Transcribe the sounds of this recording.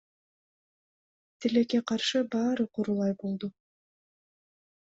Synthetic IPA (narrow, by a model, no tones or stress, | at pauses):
t̪ʰileke̞qʰɑɾʃɯbɑːɾɯqʰoɾulˠɑjbolˠd̪u